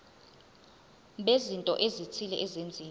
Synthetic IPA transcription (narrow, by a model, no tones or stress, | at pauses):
ɓezintʼɔ̰ʔezit͡sʰilɛʔɛzend͡zʱiː